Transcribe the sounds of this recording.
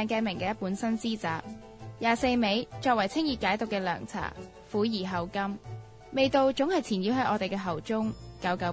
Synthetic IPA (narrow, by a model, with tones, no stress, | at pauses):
ɛː˨˧ŋkaː˧jmɪ˨˩ŋkɛː˧jɐ˥t̚puː˨˥nsɐ˥nsiː˥t͡saː˨p̚ | jaː˨˩se˧jme˨˧jt͡ʃɔː˧k̚wɐ˨˩jt͡sʰɪ˥ŋjiː˧˩kaː˨˥jt̪ʊ˨kːɛː˧lœ̰ː˨˩ŋt͡sʰa̰ː˨˩ | fuː˨˥jiː˨˩ɦɐ˨wkɐ˥m | me˨˧jt̪o˧wt͡sʊ˨˥ŋhɐ˨jt͡sʰiː˨˩njiː˨˧wɦɐ˨˥ʔɔː˨˧t̪e˨jkɛː˧ɦɐ˨˩wt͡sʊ˥ŋkɐ˨˥wkɐ˨˧˥